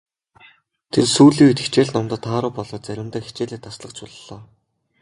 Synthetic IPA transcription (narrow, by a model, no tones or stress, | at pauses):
t̪ʰersuːɮiːut̪ɘ̥̆kt͡ɕeːɮnɔmt̪ə̆t̪ʰːaːɾʊ̆ːpɔɮɞ̆ːt̪t͡sæɾʲɪ̆mt̪æːxi̥t͡ɕeːɮeːt̪ʰːasɮə̆qt͡ɕʰʊɮɮɔː